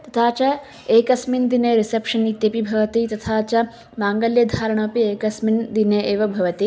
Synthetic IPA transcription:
t̪ɐt̪ʰaːt͡ʃɐ | eːkɐsmind̪ineɾisepʂɐnit̪jɐpibʱɐʋɐt̪it̪ɐt̪ʰaːt͡ʃɐ | maːŋɡɐljɐd̪ʱaːɾɐɳ̃oːpieːkɐsmind̪ineʔeːʋɐbʱɐʋɐt̪i

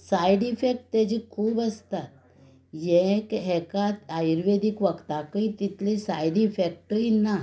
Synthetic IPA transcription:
sajɖifek̚ʈ̚t̪ad͡ʑikʰuːbəst̪at̪ | jekɦɛkat̪ajɾʋed̪ikʋəkt̪akəit̪it̪ʰlisajɖifek̚ʈəina

